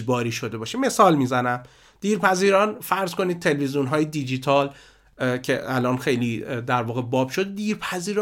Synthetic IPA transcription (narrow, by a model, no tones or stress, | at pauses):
bɒːɾiːʃo̞d̪e̞bɒːʃeme̞sɒːlmiːzænæm | d̪̥iːɾpʰæziːɾɒːnfæɾzko̞niːd̪̚t̪ʰe̞lvizijunɦɒːjed̪id͡ʒit̪ʰɒːl | cʰe̞ælɒːnxe̞jlid̪æɾvɒːɣebɒːb̥ʃo̞d̪d̪iːɾpʰæziːɾɒ